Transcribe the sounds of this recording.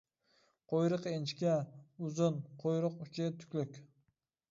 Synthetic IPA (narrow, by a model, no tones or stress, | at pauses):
qʰojɾɨqent͡ʃkʲaʊzʊnqʰojɾɨqʊt͡ʃʰɪt̪ʰʊ̥kʲlɪkʲ